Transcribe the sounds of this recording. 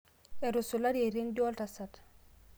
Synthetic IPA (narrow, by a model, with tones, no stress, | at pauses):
e˨ɾusu˨la˦ɾeɾi˦ndo˦ltasat